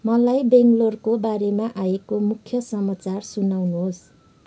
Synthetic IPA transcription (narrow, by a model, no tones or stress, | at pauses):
mʌlajbeŋɡlorkobaɾemaʔajekomukʰjʌsʌmat͡sarsunawnuɦos